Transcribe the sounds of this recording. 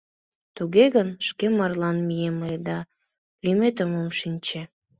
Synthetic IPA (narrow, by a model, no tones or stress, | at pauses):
t̪uɣeɣənʃkemɑrlɑnmijemled̪ɑ | limet̪əmomʃinʲt͡ɕe